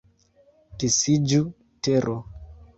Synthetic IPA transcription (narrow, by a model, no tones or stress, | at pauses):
kisid͡ʒu | teɾʔo